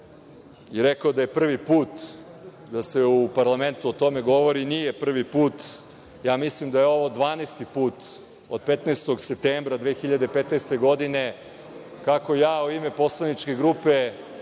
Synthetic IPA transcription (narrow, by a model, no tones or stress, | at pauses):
iɾekod̪aje̞pr̩ʋipuːt̪ | d̪ase̞upaɾlˠame̞nt̪uot̪o̞me̞ɡo̞ʋo̞ɾinije̞pr̩ʋipuːt̪ | jaːmislimd̪ajeo̞ʋod̪ʋaːnest̪ipuːt̪ | od̪̚pet̪neːst̪o̞ɡse̞p̚t̪eːmbɾad̪ʋeːxiʎad̪epet̪nest̪e̞ɡo̞d̪ine̞ | kako̞jaːuime̞po̞slˠanit͡ʃke̞ɡɾupe̞